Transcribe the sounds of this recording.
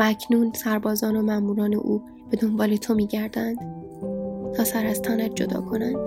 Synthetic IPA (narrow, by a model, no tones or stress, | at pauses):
æcʰnuːnsæɾbɒːzɒːnomæmuːɾɒːne̞̰ʔuː | b̥e̞d̪o̞mbɒːlet̪ʰo̞miːɟæɾd̪ænd̪̥ | t̪ʰɒːsæɾæst̪ʰɒːnæt̪̚d͡ʒo̞d̪ɒ̰ːkʰo̞nænd̪̥